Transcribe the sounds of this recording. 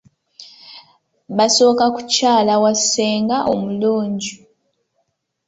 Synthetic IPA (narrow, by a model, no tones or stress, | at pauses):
βasokaku̥caːlawaseːŋɡaʔomuloːɲɟi